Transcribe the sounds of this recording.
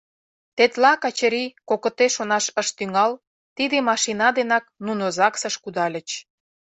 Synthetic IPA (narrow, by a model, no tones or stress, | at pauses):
t̪et̪lɑkɑt͡ɕəɾikokə̆t̪eʃonɑʃəʃt̪yŋɑl | t̪id̪emɑʃinɑd̪enɑk̚nunozɑksə̆ʃkud̪ɑlʲə̆t͡ɕ